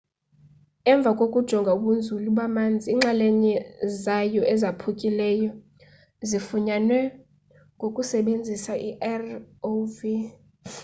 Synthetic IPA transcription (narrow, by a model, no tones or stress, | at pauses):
ɛɱb̪vʱakʼokʼud̥ʒ̥ʱɔŋɡʱauɓund͡zʱuluɓamand͡zʱiːŋ͡ǁalɛɲɛzajɔʔɛzapʰukʼilɛjɔ | zifuɲanwɛ | ŋɡʱokʼusɛɓend͡zʱisaʔiʔɛrovi